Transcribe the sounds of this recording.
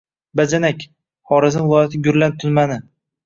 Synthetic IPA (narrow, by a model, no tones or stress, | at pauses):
bad͡ʒanakʲ | hɒɾɪzɪvlˠɒjat̪ʰɪɡʲʊɾlant̪ʰʊnmanɪ